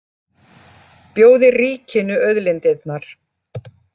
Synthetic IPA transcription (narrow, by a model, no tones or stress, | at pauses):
pjoːwðɪriːcɪnʏœɥðlent̪ɪt̪naɾ̥